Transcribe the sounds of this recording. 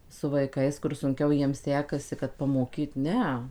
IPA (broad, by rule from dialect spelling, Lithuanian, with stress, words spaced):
sʊ ʋɐɪˈkɐɪs kʊr sʊŋʲˈkʲɛʊ ˈjiɛm ˈsʲæːkɐsʲɪ kɐt pɐmoːˈkʲiːt ˈnʲɛ